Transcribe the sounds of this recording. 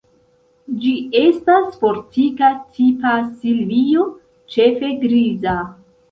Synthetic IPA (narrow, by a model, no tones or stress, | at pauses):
d͡ʒie̞staspo̞ɾtikatʰipasilijo̞ | t͡ʃe̞fe̞ɡɾiza